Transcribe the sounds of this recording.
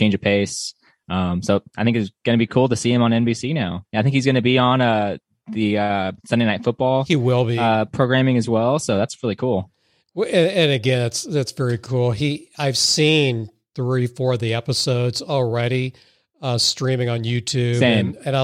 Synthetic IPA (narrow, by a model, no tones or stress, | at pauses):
t͡ʃʰẽɪ̃nd͡ʒɨ̥pʰeɪs | ʔʌ̃msoʊaɪθɪ̃ŋkɨzɡ̥ʌnɨbikʰulˠtɨsiɨ̃mə̃nɛ̃nbisinaʊaɪθɪ̃ŋkhizɡʌñɨbiə̃nʌ | ðɨʌsʌ̃ndeɪnaɪtfʊt̚b̥ɔlˠhiwɪlˠbiʌpʰɹ̥oʊɡɹæ̃mɪ̃ŋɨzwɛlˠsoʊðætsɹɪlˠikʰulˠ | ɨ̃ɨ̃nɨɡɛ̃nðætsðætsvɛɹikʰulˠiaɪv̥sĩn | θɹifɔɹʌðiɛpəsoʊdzl̩ˠɹɛɾi | ʌstɹ̥ĩmɪ̃ŋə̃njʉtʰʉbẽnmɨ̃naɪ